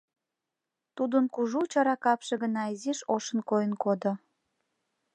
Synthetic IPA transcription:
t̪ud̪ənkuʒut͡ɕɑɾɑkɑpʃeɣənɑiziʃoʃənkojənkod̪o

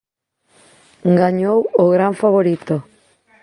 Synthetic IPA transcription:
ɡaɲowoɣɾaɱfaβoɾit̪o

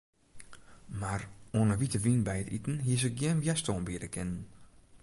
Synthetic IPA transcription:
maronəʋitəʋinbɛjətitən̩ɦiəsək̚ɡjɛnʋjɛstonbiədəkʰɪnən

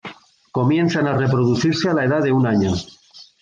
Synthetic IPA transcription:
ko̞mje̞nθanare̞pɾoðuθiɾsealaeðaðe̞unaɲo

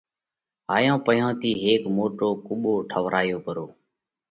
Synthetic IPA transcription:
aːjãːpəjãːt̪iːɦeːkmoːʈoːkʊɓoːʈʰəʋɾʔaːjoːkəɾoː

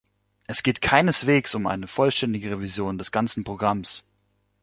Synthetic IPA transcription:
ʔɛsɡ̥eːtkʰaɪnəsv̥eːksʊmʔa̰ɪnəfɔlʃtɛndɪɡəʁ̞evizjoːndɛsɡ̥ant͡sn̩pʁ̥oɡʁams

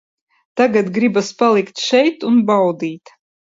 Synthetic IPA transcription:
t̪aɡat̪ɡɾibaspalˠikt̪ʃɛjt̪unbawd̪iːt̪

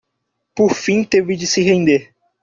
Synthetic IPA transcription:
poɾfĩt̪evɪd͡ʒɪsɪɦẽnd̪eɾ

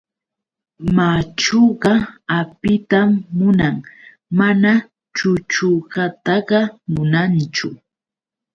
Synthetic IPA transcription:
mat͡ʃoɢɑapɪt̪amːʊnaŋ | mana | t͡ʃʊt͡ʃʊɢɑt̪ɑɢɑmʊnant͡ʃʊ

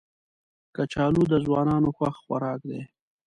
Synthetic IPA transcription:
kat͡ʃɑːlud̪əzwɑːnɑːnoxwaxxwaɾɑkd̪e

